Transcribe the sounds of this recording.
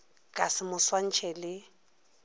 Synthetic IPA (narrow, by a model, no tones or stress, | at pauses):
kʼasɪmʊswan̩t͡ʃʰɛlɪ